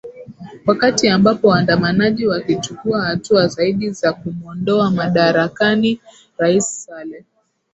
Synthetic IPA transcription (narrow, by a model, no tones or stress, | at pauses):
wakatiambapɔwandamanaʄiwakit͡ʃukuahatuazaiɗizakumuɔndɔamaɗaɾakani | ɾaisːalɛm